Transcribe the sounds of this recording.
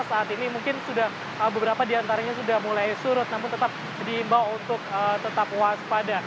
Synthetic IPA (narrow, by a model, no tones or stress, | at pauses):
saːt̪inimuŋkɪnsudah | əbəbəɾapadiant̪aɾaɲasudahmulajsuɾʊt̪̚namʊnt̪ət̪ap̚ | diːmbawunt̪ʊk̚ət̪ət̪apwaspada